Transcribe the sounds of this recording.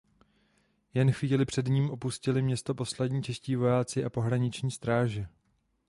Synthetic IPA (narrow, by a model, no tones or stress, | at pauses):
jɛnxviːlɪpr̝̥ɛdɲiːmʔo̞puscɪlɪmɲɛst̪o̞po̞slɛdɲiːt͡ʃɛsciːvo̞jaːt͡sɪʔapo̞ɦɾaɲɪt͡ʃɲiːst̪ɾaːʒɛ